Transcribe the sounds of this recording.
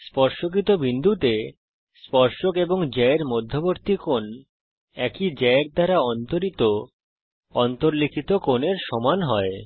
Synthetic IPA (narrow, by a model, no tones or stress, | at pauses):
spɔɾʃok̬it̪obind̪ʱut̪e | spɔɾʃokeboŋd͡ʑɛeɾmod̪ʱːoboɾt̪ikon | ɛkid͡ʑɛeɾ̚d̪ʱaɾaɔnt̪oɾit̪o | ɔnt̪oɾlikʰit̪okoneɾʃɔmanɦɔe